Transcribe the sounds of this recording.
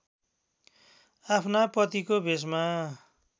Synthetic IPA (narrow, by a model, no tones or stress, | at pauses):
apʰnapʌt̪ikobʱes̬ma